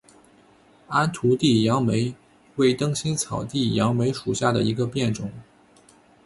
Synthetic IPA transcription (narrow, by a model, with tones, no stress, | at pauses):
a˥nt̪ʰu˧˥t̪i˥˩jɑ˧˥ŋme˧˥ɪ | we˥˩ɪt̪ɤ˥ŋɕi˥nt͡sʰɑ˨˩ʊt̪i˥˩jɑ˧˥ŋme˧˥ɪʂu˨˩ɕja˥˩d̪ə̰˩i˧˥ɡə˧pjɛ˥˩nʈ͡ʂʊ˨˩˦ŋ